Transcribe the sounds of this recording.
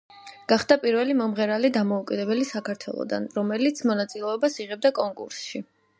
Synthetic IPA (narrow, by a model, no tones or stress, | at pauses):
ɡ̥aχd̪apʼiɾvɛlimɔmʁɛɾalid̪amɔukʼid̪ɛbɛlisakʰaɾt̪ʰwɛ̰lˠɔ̰d̪a̰nɾɔmɛlit̪sʰmɔnat̪sʼilɛɔbasiʁɛb̚d̪akʼɔŋkʼṵɾsʃi